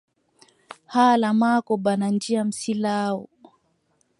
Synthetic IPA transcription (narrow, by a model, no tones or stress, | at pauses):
halamakɔɓanand͡ʒiam̩silaɔ̰